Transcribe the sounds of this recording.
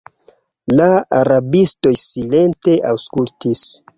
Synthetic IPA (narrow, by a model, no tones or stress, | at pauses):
laaɾabisto̞jsile̞nte̞ʔawskultis